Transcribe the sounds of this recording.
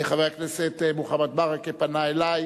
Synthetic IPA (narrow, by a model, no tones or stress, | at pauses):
eχavejakneset̪ebuχamat̪̚baʁakepanaelaj